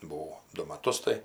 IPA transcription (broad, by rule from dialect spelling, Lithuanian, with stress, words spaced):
bʊˈʋɐʊ ˈdʊ mɐˈtʊs tɐɪ